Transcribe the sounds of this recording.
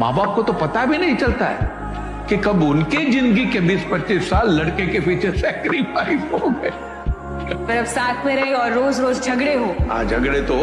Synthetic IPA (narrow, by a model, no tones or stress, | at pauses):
ma̰ːbaːp̚kot̪opɐt̪abʱinɐɦĩt͡ʃɐlt̪aɦɛ̰ː | kekɐbʊnkid͡ʒɪ̃nd̪ɡikebiːspɐtːʃisːaːlːɐɽkekepiːt͡ʃʰesɛːkɾifaːɪfoɡɐe | pɐɾɐbsaːt̪ʰmẽɾɐɦeɔːɾːoːzɾoːzd͡ʒʱɐɡɽeɦoːɦã̰ːd͡ʒʱɐɡɽet̪o